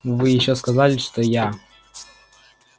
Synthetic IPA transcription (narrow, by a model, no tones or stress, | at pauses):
vɨjɪɕːɔskazalʲɪʂt̪oja